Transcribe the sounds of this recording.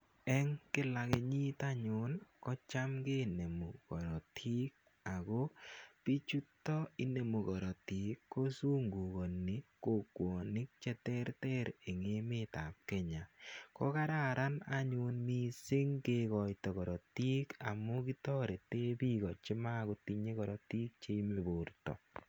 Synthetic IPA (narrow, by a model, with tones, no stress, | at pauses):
ɛ˦ŋkɪ˦la˨ke˨ɲi˦t̪a˦ɲʊ˨˦nkɔ˦t͡ʃa˦mɡe˦ne˨mu˨ɡ̥ɔ˨ɾɔ˨tʰi˦k̚ | a˨ɡo˦pi˦t͡ʃu˦tːɔ˦i˦ne˨mu˨ɡɔ˨ɾɔ˨ti˨kːo˦su˦ŋɡu˨ɡo˨nːi˨ko˨kwo˨nɪ˦k̚t͡ʃɛ˦tɛ˦ɾtɛ˦ɾe˨ŋe˦me˦ta˨p̚kɛ˦ɲa˨kɔ˦ka˦ɾa˦˨ɾa˦na˦ɲu˦nmi˦sɪ˦ŋɡe˦kɔ˨jtɔ˨kɔ˨ɾɔ˨ti˦ka˨mːɔ˦ki˦tɔ˦ɾe˨te˦bi˦˨ɡɔ˨t͡ʃɪ˦ma˦˨ɡo˦ti˦ɲe˦kɔ˨ɾɔ˨ti˦k̚t͡ʃe˦i˦me˨bo˨ɾtɔ̰˨